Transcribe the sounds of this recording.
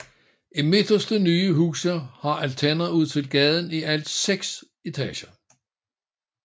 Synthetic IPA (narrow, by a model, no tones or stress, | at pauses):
ime̝d̥ɐsd̥ənyːəɦuːsɐhɑ̈ʔælt͡sʰænɐuð̞̰ˠt͡sʰelɡ̥ɛð̞ˠn̩iʔæl̰d̥seɡ̥s | e̝t͡sʰɛ̰ːɕɐ